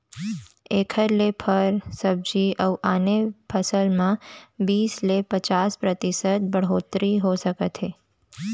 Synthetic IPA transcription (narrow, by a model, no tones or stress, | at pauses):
ekʰəɾlepʰəɾsəb̚d͡ʒiʔəʋʔanepʰəsəlmãbislepət͡ʃaspɾət̪isət̪̚bəɽɦot̪ɾiɦosəkət̪ʰe